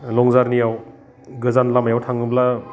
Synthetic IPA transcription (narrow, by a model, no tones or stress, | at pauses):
lɔŋzaɾnijaw | ɡɯzanlamajawtʰaŋɯbla